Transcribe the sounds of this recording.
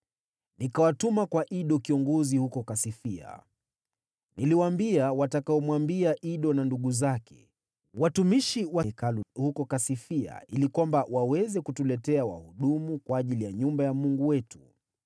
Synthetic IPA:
nikawatumakwaʔiɗɔkiɔŋɡɔzihukɔkasifia̰ | niliwambiawatakaɔmwambiaʔiɗɔnanduɠuzakʰɛ̥̰ | watumiʃiwakaluhukɔkasifia̰ilikwambawawɛzɛkutulɛtɛawa̰huɗumukwaːʄilijaɲumbajamuŋɡuwɛtu̥

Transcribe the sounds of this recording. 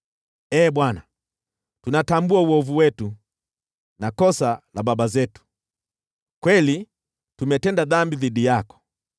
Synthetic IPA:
ɛːɓwana | tunatambuauɔvuwɛtu | nakɔsalababazɛtu̥ | kwɛli | tumɛtɛndaðambiðidijakɔ̥

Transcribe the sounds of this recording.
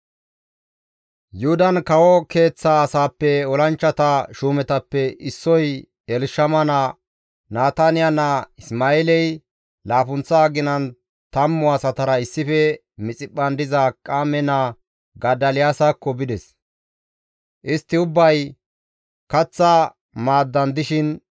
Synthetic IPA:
jʊhʊd̪ɐnkɐwɔke̞ːt͡sːaːsaːpːɛɔlɐnt͡ʃːɐt̪ɐʃuːmɛt̪ɐpːɛɪsːɔj | ɛlʃɐmɐnɐ | naːt̪ɐnɪjanɐɪsmaːɛlɛj | laːfʊnt͡sːɐːɡɪnɐn | t̪ɐmːʊɐsɐt̪ɐɾɐɪsːɪfɛ | mɪt͡sʼɪpʼːɐnd̪ɪzɐkʼaːmɛnɐ | ɡɐd̪ɐlɪjaːsakːɔbɪd̪ɛs | ʔɪst̪ːɪʊbːɐj | kɐt͡sːɐ | maːd̪ːɐnd̪ɪʃɪn

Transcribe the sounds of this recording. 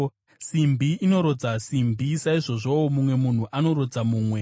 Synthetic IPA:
simbʱiino̞ɾo̞d͡zasimbʱisaiʐo̞ʐowomumwe̞mun̤uʔano̞ɾo̞d͡zamuːmwe̞

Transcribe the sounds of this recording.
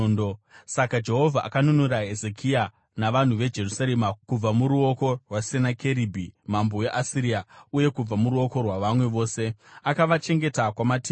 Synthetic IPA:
osakad͡ʒe̞ɦo̞vʱaʔakanunuɾae̞ze̞kʰia | naʋan̤uʋe̞d͡ʒe̞rusaɾemakub͡vamuɾuo̞ko̞rwasenakʰe̞ɾibʱimambo̞e̞ʔasiɾiauje̞kub͡vamuɾuo̞ko̞rwaʋamwe̞ʋo̞ːse̞akaʋat͡ʃe̞ŋɡe̞takwamati

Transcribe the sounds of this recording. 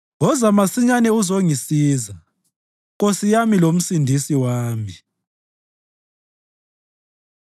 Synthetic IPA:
ŋɔzamasiɲanɛuzoŋisiːza | ɣosijamilom̩sindʱisiwaːmi

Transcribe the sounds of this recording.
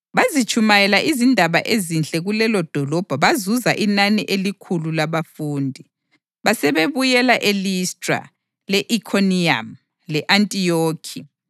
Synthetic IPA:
βazit͡ʃʰʼumajɛlaʔizindʱaβa̰ʔezinɬʼɛɣulɛlɔd̥ʱɔlɔb̥ʱaβazuzaʔinaniʔelikʰululaβafuːndʱi | βasɛβeβujɛlaʔelistʼra̰ | lɛʔikʰonia̰m | lɛʔantʼijoːkʰi

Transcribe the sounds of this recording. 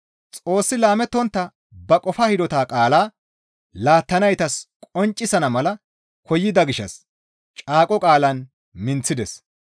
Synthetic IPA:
t͡sʼo̞ːsːɪlaːmɛt̪ːɔnt̪ːɐ | bɐkʼɔfɐhɪd̪ɔt̪aːkʼaːlaː | laːt̪ːɐnɐjt̪ɐskʼɔnt͡ʃʼːɪsɐnɐmɐlɐ | kʰɔjːɪd̪ɐɡɪʃːɐ̰s | t͡ʃʼaːkʼɔkʼaːlɐn | mɪnt͡sːɪd̪ɛs

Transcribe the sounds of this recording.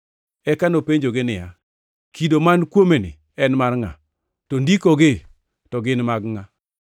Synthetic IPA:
ɛkanopeɲd͡ʒoɡɪnɪja̰ | kʰidomankwomenɪ̰ | ɛnmarŋa̰ | tondikoɡɪ | tɔɡɪnmaɡŋa

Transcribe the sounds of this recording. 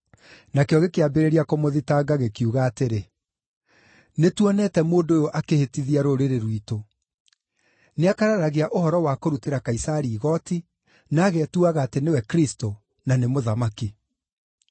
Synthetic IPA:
nakejɔɣekeabeɾeɾiakomoðitaɡaɣekjuɣaːteɾe | netuɔnɛtɛmoːndoːjoʔakehetiðiaɾoɾeɾeɾwiːto | neakaɾaɾaɣeaʔohɔɾɔwakoɾuteɾakaisaɾiːɣɔti | naːɣetuaɣaːtenewɛkɾisto | nanemoðamaki

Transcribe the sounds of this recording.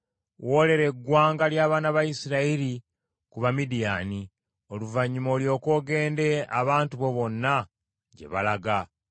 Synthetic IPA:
wo̞ːle̞ɾe̞ɡːwaːŋɡaljaːβaːnaβajisiɾaiɾi | kuβamidijaːni | o̞luvaɲːumo̞ːljo̞ːko̞ːɡe̞ːnde̞aβaːntuβo̞βo̞nːa | ɟe̞̰βa̰laɡa

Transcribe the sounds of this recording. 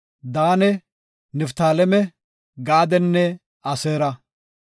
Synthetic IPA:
d̪aːnɛ | nɛft̪aːlɛmɛ | ɡaːd̪ɛnːɛ | ɐseːɾɐ

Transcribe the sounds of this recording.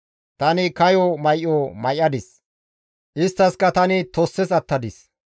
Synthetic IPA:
t̪ɐnɪkɐjomɐjʔomɐjʔːɐd̪ɪs | ʔɪst̪ːɐskɐt̪ɐnɪt̪ɔsːɛsɐt̪ːɐd̪ɪs

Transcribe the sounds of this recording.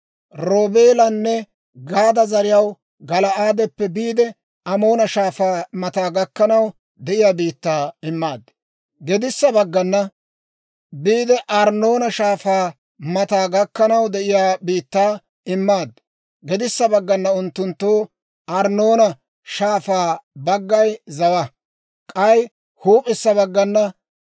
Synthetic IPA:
ɾoːbeːlɐnːɛ | ɡaːd̪ɐzɐɾɪjɐw | ɡɐlɐʔaːd̪ɛpːɛbiːd̪ɛ | ʔɐmo̞ːnɐʃaːfaːmɐt̪aːɡɐkːɐnɐw | d̪ɛʔɪjaːbiːt̪ːaːɪmːaːd̪ː | ɡɛd̪ɪsːɐbɐɡːɐnːɐ | biːd̪ɛʔɐɾnoːnɐʃaːfaː | mɐt̪aːɡɐkːɐnɐwd̪ɛʔɪjaːbiːt̪ːaː | ɪmːaːd̪ː | ɡɛd̪ɪsːɐbɐɡːɐnːɐʊnt̪ːʊnt̪ːoː | ʔɐɾno̞ːnɐ | ʃaːfaːbɐɡːɐjzɐwɐ | kʼɐj | huːpʼɪsːɐβɐɡːɐnːɐ

